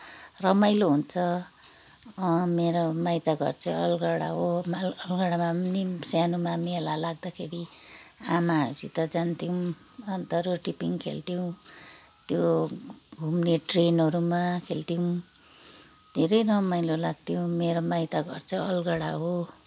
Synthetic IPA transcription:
rʌmajloɦunt͡sʰʌ | meɾomajt̪aɡʱʌ̰rt͡sʰʌʌlɡʌɽa̰ɦomaʌlɡʌɽamamnisjanumamielalaɡ̚d̪akʰeɾiamaɦsit̪ʌd͡zant̪iw̃ | ʌnt̪ʌɾoʈipiŋkʰḛlt̪iw̃ | t̪jo | ɡʱumneʈrenɦʌɾumakʰelt̪iw̃ | d̪ʱeɾʌjrʌmajlolaɡ̚t̪ijow̃meɾomajt̪aɡʌ̰rt͡sʰʌʌlɡʌɽa̰ɦo

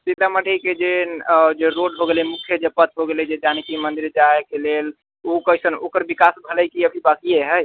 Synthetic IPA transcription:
sit̪aməɖeiked͡ʒed͡ʒeɾoɖbʱoɡelimukʰjəd͡ʒepət̪ʰbʱoɡelɛd͡ʒed͡ʒanikimənd̪iɾd͡ʒaekelel | ukəisəno̰kəɾbikasbʱələjkiəbʱibakijeɦəj

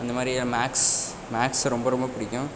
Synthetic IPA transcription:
ɐnd̪ɐmaːd̪ɾimaːks | maːksɾɔmbɐɾɔmbɐpɪɽɪkʲːʊ̃

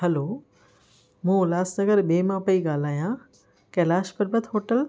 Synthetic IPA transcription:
ɦɐloː | mũːlaːsnɐɡəɾɓeːmãpɐiɡaːl̤aːjã | kɛːlaːʃpɐɾbət̪ʰɦoːʈəl

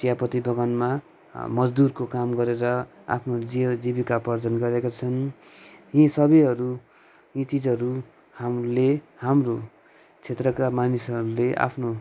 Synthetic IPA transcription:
sijapʌt̪ibʌɡʌnma | mʌd͡zd̪urkokamɡʌɾeɾʌa̰pʰnod͡ziʌd͡zibikapʌrd͡zʌnɡʌɾekat͡sʰʌn | jĩsʌbʌjɦʌɾu | ĩt͡sid͡zʌɾu | hamle | hamro | t͡sʰet̪rʌkamanisʌɾuleʔa̰pʰno

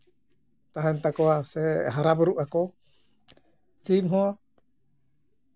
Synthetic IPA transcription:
t̪aɦɛnt̪akɔasɛɦaɾabɔɾuʔakɔ | simɦɔ

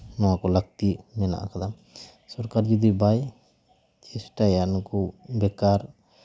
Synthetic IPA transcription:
nɔwakɔləɡ̚t̪imɛna̰ʔa̰kad̪am | sɔɾkaɾd͡ʒɔd̪ibaj | t͡ʃɛsʈajankɔbɛkaɾ

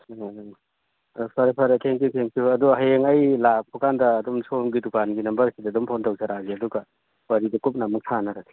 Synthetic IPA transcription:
pʰɐɾepʰɐɾetʰeŋkjutʰeŋkuɐduɦɐjeŋɐjlak̚pʰukandɐːdɔmsomɡidukanɡinɐmbɐɾsidɐdɔmpʰontɐwsɐɾaziɐduɡɐ | wɐɾidɐkup̚nɐmɐk̚sʰanɐɾati̥

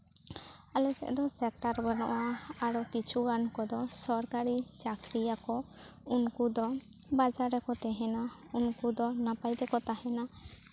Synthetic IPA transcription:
alɛsɛ̰ʔd̪ɔsɛk̚ʈaɾbənɔ̰ʔaaɽɔkit͡ʃʰuɡankɔd̪ɔsɔɾkaɾit͡ʃakɾijakɔ | unkud̪ɔbad͡ʒaɾɛkɔt̪ɛɦɛna | unkud̪ɔnapajd̪ɛkɔt̪aɦɛna

